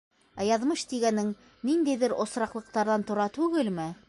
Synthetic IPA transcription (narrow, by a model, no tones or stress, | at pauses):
æjɑðmɤʃt̪iɡænɘŋ | nind̪æjðɘɾʔŏsɾɑqlˠɤ̆q̚t̪ɑɾðɑnt̪ŏɾɑt̪ʉɡɘlmɘ